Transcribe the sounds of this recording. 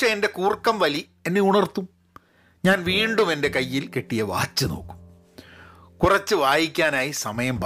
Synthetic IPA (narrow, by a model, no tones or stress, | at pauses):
ʂeende̞kuːrkːɐmʋɐli | e̞nːeuɳɐrt̪ːum | ɲaːnʋiːɳɖume̞nde̞kɐjːilke̞ʈːijɐʋa̰ːt͡ɕːuno̞̰ːkːu̥m | kurɐt͡ɕːɨʋaːjikʲːaːnaːjisɐmɐjɐmb